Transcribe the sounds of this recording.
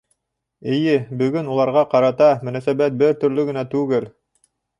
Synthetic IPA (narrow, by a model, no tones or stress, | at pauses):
ɘ̆jɘbɵ̆ɡɵnulˠɑɾʁɑqɑɾɑt̪ɑmɵ̆næsæbæt̪̚bɘɾt̪ɵ̆ɾlɵɡɘ̆næt̪ʉɡɘl